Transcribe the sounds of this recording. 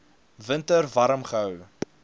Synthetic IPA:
vəntərvɐɾəmχəɦəw

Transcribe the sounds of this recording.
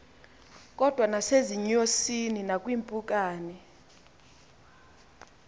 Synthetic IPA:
k̬ʼɔd̥ʱwanaseziɲosininakʼwiːmpʼuk̬ʼaːnɛ

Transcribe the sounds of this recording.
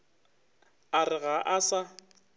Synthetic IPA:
arɪɣaʔasa

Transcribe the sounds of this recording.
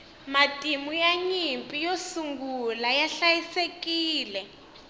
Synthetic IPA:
matʼimujaɲimpʼijosuŋɡulajaɬajisekiːlɛ

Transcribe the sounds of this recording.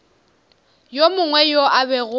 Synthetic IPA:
jomʊŋwɛjoʔabɛɣʊ

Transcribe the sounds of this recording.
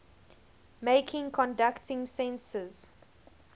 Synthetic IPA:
meɪkʰɪ̃ŋkʰɔ̃ndaktʰɪ̃ŋsɛ̃nsəz̥

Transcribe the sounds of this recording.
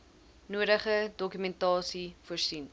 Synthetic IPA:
nuəɾəχədɔkymɛntɑːsifuərsin

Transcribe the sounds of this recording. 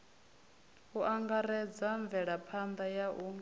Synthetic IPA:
uʔaŋɡaɾɛd͡zaɱvɛɺapʰand̪ajaʔu

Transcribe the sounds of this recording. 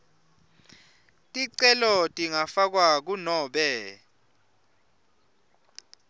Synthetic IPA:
tʼiǀɛlɔtʼiŋafak̬wak̬unɔːɓɛ

